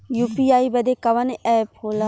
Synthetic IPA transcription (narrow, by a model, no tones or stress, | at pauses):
juːpiaːibɐd̪ekɐʋɐnɛːphoːla